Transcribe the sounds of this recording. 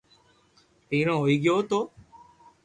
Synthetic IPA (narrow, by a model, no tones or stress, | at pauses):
tiːɾõːɦoːiːɡjoːt̪oː